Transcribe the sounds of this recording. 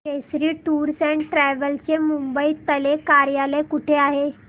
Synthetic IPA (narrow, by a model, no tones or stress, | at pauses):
esɾiːʈuːɾsɛ̃ɳʈɾɛʋəlt͡semumbəit̪əlekaɾjaləkuʈʰeaɦe